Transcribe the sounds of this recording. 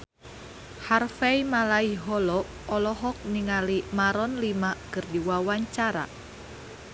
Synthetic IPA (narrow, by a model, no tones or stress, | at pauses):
harfɛimalaiɦɔlɔʔ | ɔlɔɦɔk̚niŋalimaɾɔnlimakɨrdiwawaɲt͡ʃaɾa̰